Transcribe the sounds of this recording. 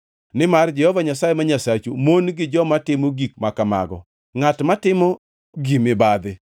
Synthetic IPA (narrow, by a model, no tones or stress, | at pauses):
nɪmard͡ʒɛhɔvaɲasajemaɲasat͡ʃumonɡɪd͡ʒɔmatɪmoɡik̚makama̰ɡɔ̰ | ŋatmatɪmɔ | ɡimɪbad̪ɪ